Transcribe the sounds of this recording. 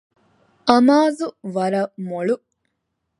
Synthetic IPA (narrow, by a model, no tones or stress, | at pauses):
ʔɐmaːzuʋɐɾɐmoɭu